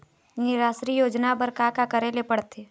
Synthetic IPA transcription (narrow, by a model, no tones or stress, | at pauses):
nɪɾaːʃɾijoːd͡ʒnabəɾkakakəɾelepəɽt̪ʰe